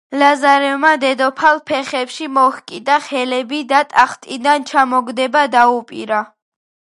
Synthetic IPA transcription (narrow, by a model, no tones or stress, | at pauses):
lazaɾɛvmad̪ɛd̪ɔpʰalpʰɛχɛpʃimɔhkʼid̪ʼaχɛlɛbid̪at̪ʼaχt̪ʼid̪ant͡ʃʰamɔɡd̪ɛbad̪aupʼḭɾa